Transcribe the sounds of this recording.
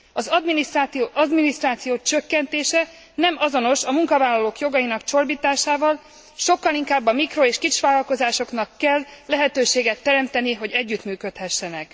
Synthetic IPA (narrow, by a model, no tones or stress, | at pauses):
ɒzd̪minioɒd̪minist̪raːt̪sijoːt͡ʃø̞kːɛnt̪eːʃɛ | nɛmɒzo̞no̞ʃɒmuŋkɒvaːlɒloːkjo̞ɡɒjinɒkt͡ʃo̞rbiːt̪aːʃaːvɒl | ʃo̞kːɒliŋkaːbːɒmikroeːʃkit͡ʃʋaːlɒlko̞zaːʃo̞knɒkːɛlːɛɦɛt̪øːʃeːɡɛt̪ːɛɾɛmt̪ɛniɦo̞ɟɛɟːyt̪myːkø̞t̪hɛʃːɛnɛk